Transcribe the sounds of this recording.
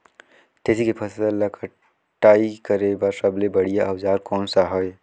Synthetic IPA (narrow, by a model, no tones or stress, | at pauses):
t̪eːsikepʰəsalakʰə | ʈaːikəɾebasəblebəɽ̤ijaʔɐwzaːɾkɔːnsaɦɔj